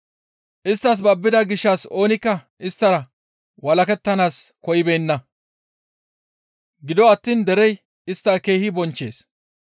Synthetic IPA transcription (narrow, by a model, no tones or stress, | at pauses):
ʔɪst̪ːɐs̬bɐbːɪd̪ɐɡɪʃːɐso̞ːnɪkːɐ | ɪst̪ːɐɾɐ | wɐlɐkɛt̪ːɐnaːskɔjɪbejnːɐ | ɡɪd̪ɔɐt̪ːiːnd̪ɛɾɛj | ɪst̪ːɐke̞ːhɪbɔnt͡ʃːe̞̰ːs